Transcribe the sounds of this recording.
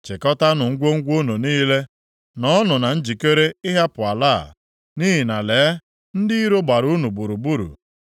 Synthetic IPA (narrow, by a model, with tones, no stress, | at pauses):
t͡ʃɪ˨kɔ˦ta˦nʊ˨ŋ̩˦ɡʷo˦ŋ̩˦ɡʷo˦no˨niː˦le˦ | nɔ˦nʊ˨na˨n̩˦d͡ʒi˨ke˦ɾe˦ɪ˦ɦa˦pʊ˨a˨la̰˦˨ | ni˦ɦi˨na˨leː˨˦ | n̩˦dɪ˦i˦ɾo˦ɡ͡ba˨ɾu˦nu˨bu˨ɾu˨bu˦ɾṵ˨